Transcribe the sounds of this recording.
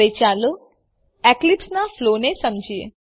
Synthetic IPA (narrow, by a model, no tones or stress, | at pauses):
et͡ʃalu | eklipsnaflonesəmd͡ʒʱijḛ